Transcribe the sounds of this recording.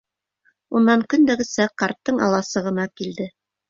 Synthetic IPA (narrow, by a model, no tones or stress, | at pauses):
unːɑŋkɵ̆nd̪æɡɘ̆sæqɑɾt̪ːɤɴɑ̰lˠɑsɤ̆ʁɤ̆nɑkild̪ɘ